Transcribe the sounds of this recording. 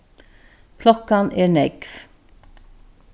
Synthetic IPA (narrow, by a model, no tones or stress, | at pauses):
pʰlɔkɑnʔeːɳɛɡf